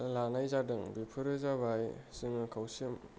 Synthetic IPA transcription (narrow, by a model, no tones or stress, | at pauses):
lanajzadɯŋbipʰɯɾɯzabajsiŋnɯkʰawsim